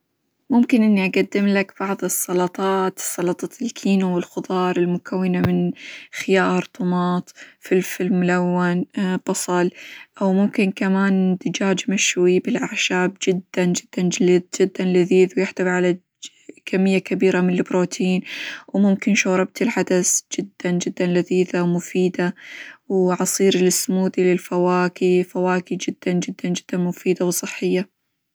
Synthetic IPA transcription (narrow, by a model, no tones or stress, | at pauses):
mʊmkɪnʔɪnːiʔaɡad̪ːɪmlakb̥ɑʕðˤɨsˤːɑlɑt̪ˤɑːt̪ɨ̥sˤːɑlɑt̪ˤɑtɪlkʰiːnowɪlxʊd̪ˤɑːɾˤɪlmʊkʰawːɪnamɪnxɪjɑːɾˤt̪ˤʊmɑːt̪ˤfilfilmʊlawːanb̥ɑsˤɑlʔawmʊmkɪnkamaːnd̪ɪd͡ʒaːd͡ʒmaʃwibɪlʔaʕʃaːb̚d͡ʒɪd̪ːand͡ʒɪd̪ːand͡ʒd͡ʒɪd̪ːanlɪðiːðwjɪħd̪abʕala | kamːɪjːakabiːɾamɪnɪlɪbɾoːt̪ʰiːnwmʊmkɪnʃoːɾˤɑb̚t̪ɪlħad̪asd͡ʒɪd̪ːand͡ʒɪd̪ːanlɪðiːðawmʊfiːd̪awʕɑsˤiːɾɪlɪsːmuːd̪ilɪlfawaːkifawaːkid͡ʒɪd̪̥ːand͡ʒɪd̪ːand͡ʒɪd̪̥ːanmʊfiːd̪awsˤɨħːɪjːa